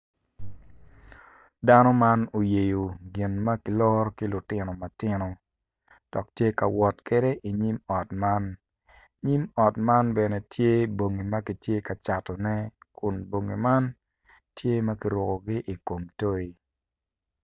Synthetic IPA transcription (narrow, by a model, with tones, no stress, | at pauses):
da˦nɔ˦ma˦no˨je˨jo˨ɡɪ˨nma˦ki˨lɔ˦ɾki˦lʊ˨tɪ˦nɔ˨ma˨tɪ˦no˨ | d̥ɔ˨k̚tje˦ka˨wɔ˨tke˦de˦ʔi˨ɲi˦mɔ˨tma˦n | ɲi˦mɔ˨tma˦nbɛ˨nɛ˨tje˦bo˨ŋi˨ma˦ki˨tje˦ka˨t͡ʃa˨tɔ˨nɛ˦kʊ˨nbo˨ŋi˨ma˦n | tje˦ma˦ki˨ɾɔ˨ko˨ɡɪ˦ʔi˨ko˨mto˦i˦